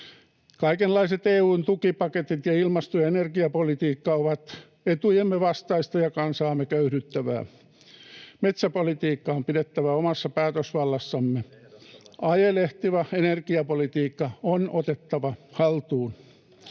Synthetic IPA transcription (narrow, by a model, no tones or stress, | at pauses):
kɑikenlːɑiset̪eːuːnt̪ukipɑket̪it̪jɑilmɑst̪ujɑenerkiɑpolit̪iːkːɑoʋɑt̪ | et̪ujemːeʋɑst̪ɑist̪ɑjɑkɑnsɑːmːekøyɾyt̪ːæʋæ̰ː | met̪sæpolit̪iːkːɑompidet̪ːæʋæomɑsːɑpæːt̪øsʋɑlːɑsːɑmːe | ɑjeleht̪iʋɑenerkiɑpolit̪iːkːɑonot̪et̪ːɑʋɑhɑlt̪uːn